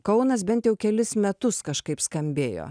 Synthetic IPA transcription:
kɐʊnɐs̬bʲɛnt̪jɛʊkʲɛlʲɪsmʲɛt̪ʊskɐʃkɐɪpskɐmʲbʲeːjo̰ː

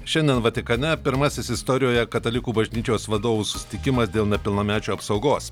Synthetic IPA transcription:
ʃʲɛnʲd̪ʲeɛnʋɐt̪ʲɪkɐnʲɛpʲɪɾmɑsʲɪsɪst̪ɔːɾʲɪjoːjɛkɐt̪ɐlʲɪkuːbɐʒʲnʲiːt͡ʃʲoːsʋɐd̪oːʋuːsʊ̥sʲɪ̥t̪ʲɪkʲɪmɐsd̪ʲeːlˠnʲɛpʲɪlˠnɐːmʲæːt͡ʃʲoːɐpsɐʊɡoːs

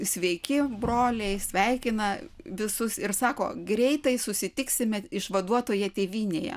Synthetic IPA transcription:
sʲʋʲɛɪkʲɪbroːlʲɛɪsʲʋʲɛɪkʲɪnɐʋʲɪsʊsɪɾsɑːko̰ːɡɾʲɛɪt̪ɐɪsʊsʲɪt̪ʲɪksʲɪmʲɛɪʃʋɐd̪uɔt̪oːjɛt̪ʲeːʋʲiːnʲeːjɛ̰

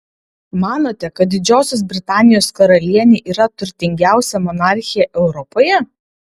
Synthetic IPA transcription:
mɑːnoːt̪ʲɛkɐt̪̚d̪ʲɪd͡ʒʲoːsʲos̬bʲɾʲɪt̪ɑːnʲɪjoːskɐɾɐlʲiɛnʲeːʔiːɾɐt̪ʊɾʲt̪ʲɪŋʲɡʲæˑʊsʲɛmɔnɑːˑɾʲxʲɪjɛʔɛʊɾɔpoːjɛ

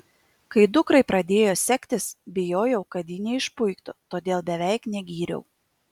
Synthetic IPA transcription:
kɐɪd̪ʊkɾɐɪpɾɐd̪ʲeːjoːsʲɛkʲt̪ʲɪsbʲɪjoːjɛʊkɐt̪jɪnʲɛɪʃpʊɪkt̪ʊt̪oːd̪ʲeːlˠbʲɛʋʲæɪknʲɛɡʲiːɾʲɛ̰ʊ

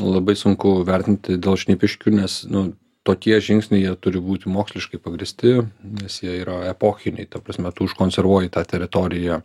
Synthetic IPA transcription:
lˠɐbɐɪsʊŋkʊʋʲɛɾʲt̪ʲɪnʲt̪ʲɪdʲeːlˠʃʲnʲiːpʲɪʃʲkʲuːnʲɛsnʊ | t̪oːkʲiɛʒʲɪŋksʲnʲɛɪjiɛt̪ʊɾʲɪbuːt̪ʲɪmoːksʲlʲɪʃkɐɪpɐɡɾʲɪsʲt̪ʲɪnʲɛsjiɛiːɾɐɛpoːxʲɪnʲɛɪt̪ɐpɾɐsʲmʲɛt̪uːɪʃkoːnʲsʲɛrʋuɔjɪt̪ɑːt̪ʲɛɾʲɪt̪oːɾʲɪjæ

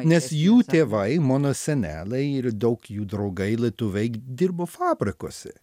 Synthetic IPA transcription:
nʲɛsjuːt̪ʲeːʋɐɪmɑːnoːsʲɛnʲæ̰ːlʲɛɪɪɾd̪ɐʊkjuːd̪ɾɐʊɡɐɪlʲit̪ʊʋʲɛɪd̪ʲɪɾboːfɑːbʲɾʲɪko̰ːsʲɛ̰

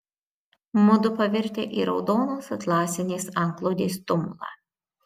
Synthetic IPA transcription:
mʊd̪ʊpɐʋʲɪɾʲt̪ʲḛːʔiːɾɒʊd̪oːnoːsɐt̪lˠɑːsʲɪnʲeːsɑŋklˠoːd̪ʲeːst̪ʊmʊlˠɑ̰ː

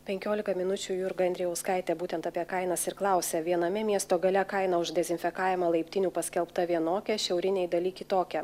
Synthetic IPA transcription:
pʲɛŋʲkʲoːlʲɪkɐmʲɪnʊt͡ʃʲuːjʊɾɡɐnd̪ɾʲɪjɛʊskɐɪt̪ʲɛbuːt̪ʲɛnt̪ɑpʲiɛkɐɪnɐsɪɾklˠɑˑʊsʲɛʋʲiɛnɐmʲɪmʲiɛst̪oːɡɐlʲɛkɐɪnɐʊʒd̪ʲɛzʲɪnʲfʲɛkɑːjʲɛmɐlˠɐɪpʲt̪ʲɪnʲuːpɐsʲkʲɛlˠpt̪ɐʋʲiɛnoːkʲɛʃʲɛʊɾʲɪnʲɛɪd̪ɐlʲiːkʲɪt̪oːkʲɛ

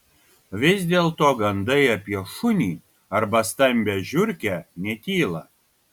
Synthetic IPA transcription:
ʋʲɪzʲd̪ʲeːlˠt̪oːɡɐnd̪ɐɪɐpʲiɛʃʊnʲiː | ɐɾbɐst̪ɐmʲbʲɛʒʲʊɾʲkʲænʲɛt̪ʲiːlˠɐ

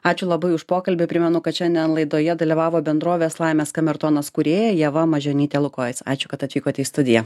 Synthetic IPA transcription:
ɑːt͡ʃʲʊlˠɐbɐɪʊʃpoːkɐlʲbʲɪpʲɾʲɪmʲɛnʊkɐt̪ʃʲɛnʲd̪ʲiɛnlˠɐɪd̪oːjɛd̪ɐlʲiʋɑːʋoːbʲɛnd̪ɾoːʋʲeːslˠɐɪmʲeːskɐmʲɛɾt̪oːnɐskʊɾʲeːjɛjɛʋɐmɐʒʲoːnʲiːt̪ʲɛlˠʊkoːɪsɑ̰ːt͡ʃʲʊkɐt̪ɐt̪ʋʲiːkoːt̪ʲɛist̪ʊd̪ʲɪjɛ

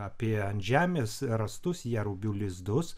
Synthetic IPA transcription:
ɑːpʲiɛɐnt̪ʲʒʲæːmʲeːsɾɐst̪ʊsjæɾʊbʲuːlʲɪzd̪ʊs

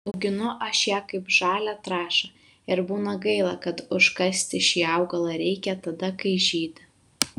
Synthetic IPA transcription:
ɐʊɡʲɪnʊʔɐʃjæːkɐɪpʒɑːlʲæt̪ɾɑːʃɐ | ɪɾbuːnɐɡɐɪlˠɑkɐt̪ʊʃkɐsʲt̪ʲɪʃʲiːɑʊɡɐlˠɐɾʲɛɪkʲɛt̪ɐd̪ɐkɐɪʒʲiːd̪ʲ

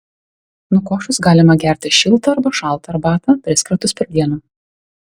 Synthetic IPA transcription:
nʊkoːʃʊsɡɑːlʲɪmɐɡʲæˑɾʲt̪ʲɪʃʲɪlˠˑt̪ɐɐɾbɐʃɑˑlˠˑt̪ɐːɾbɑːt̪ɐpʲɾʲɪskɾʲɐt̪ʊspʲɛɾʲd̪ʲiɛnuː

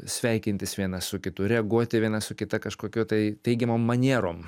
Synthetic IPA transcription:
sʲʋʲɛɪkʲɪnʲt̪ʲɪsʋʲiɛnɐssʊkʲɪt̪ʊɾʲɛɐɡuɔt̪ʲɪʋʲiɛnɐsʊkʲɪt̪ɐkɐʃkoːkʲoːt̪ɐɪt̪ʲɛɪɡʲɛmoːmːɐnʲiɛɾoːm

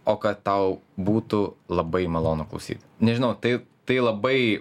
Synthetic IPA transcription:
oːkɐt̪t̪ɐʊbuːt̪ulˠɐbɐɪmɐlˠoːnʊklˠɐ̰ʊsʲḭːt̪nʲɛʒʲɪnɐʊt̪ɐɪt̪ɐɪlˠɐbɐɪ

